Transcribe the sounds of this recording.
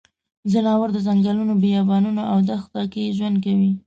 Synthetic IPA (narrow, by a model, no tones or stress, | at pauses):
zənɑwaɾd̪əzaŋɡalunobejɑbɑnunoʔawd̪axt̪ɑkeʒwand̪̚kawi